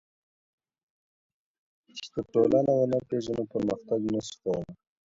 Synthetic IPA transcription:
t͡ʃd̪əʈolanawonapeʒanopəɾməxt̪aɡnaskawəma

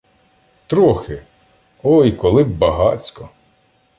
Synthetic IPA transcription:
t̪ɾɔxɪ | ɔjkɔlˠɪbbɐɦɑt͡sʲkɔ

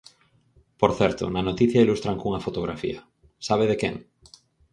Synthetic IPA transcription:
poɾθɛɾt̪o̰nanot̪iθjailust̪ɾaŋkuŋafot̪oɣ̞ɾafḭɐ | saβ̞eðekeŋ

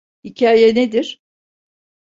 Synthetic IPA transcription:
hicʰaːjɛned̪iɾ̥

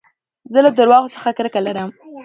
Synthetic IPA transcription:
zəlad̪əɾwɑɣosə̥xakɾəkalaɾəm

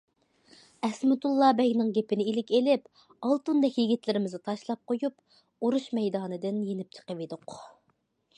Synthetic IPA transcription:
ɛsmɪt̪ulˠːɑbɛɡʲnɪŋɡʲepɪnɪilɪkʲelɪp | ɑlˠt̪und̪ɛkʲjiɡʲit̪lɪɾɪmɪzɪt̪ʰɑʃlˠɑp̚qojup | uɾuʃmɛjd̪ɑːnɨd̪ɪnjenɪp̚t͡ʃʰə̥qəved̪ʊq

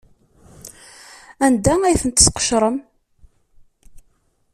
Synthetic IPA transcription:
ænd̪ææjθənt̪ə̥sqə̥ʃɾˤəm

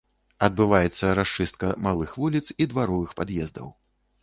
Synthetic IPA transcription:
ɐd̪bɨvajɛt̪sːɐɾaʂt͡ʂɨst̪̚kɐmalˠɨxvulʲit̪sid̪vaɾɔvɨxpad̪jɛzd̪ɐ̰w

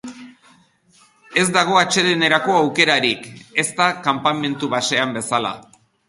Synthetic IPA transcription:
e̞zd̪aɣ̞o̞at͡ʃe̞ðene̞ɾako̞awke̞ɾaɾike̞st̪akampame̞nt̪uβase̞ambe̞sala̰

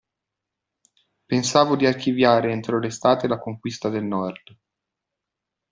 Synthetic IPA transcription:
pensaːvod̪iarkivjaːɾeent̪ɾolest̪aːt̪elakoŋkwist̪ad̪elnɔrd̪

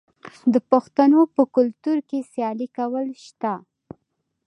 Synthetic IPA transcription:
d̪əpʊxt̪anopəkʊlt̪uɾkesjɑlikawəlʃt̪a

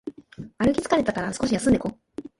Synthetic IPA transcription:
aɾɯ̟kʲi̥t͡sɨ̥kaɾe̞t̪akaɾasɨ̥ko̞ɕijasɨ̃nd̪eko

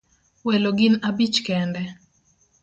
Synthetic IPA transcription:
wɛloɡɪnabit͡ʃkɛndɛ

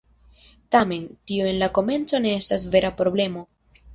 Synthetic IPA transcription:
tame̞ntioe̞nlako̞me̞nt͡so̞ne̞estasve̞ɾapɾo̞ble̞mo̞

